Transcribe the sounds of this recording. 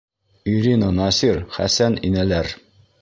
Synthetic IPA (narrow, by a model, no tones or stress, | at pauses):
iɾinənɑsiɾχæ̰sæninælæɾ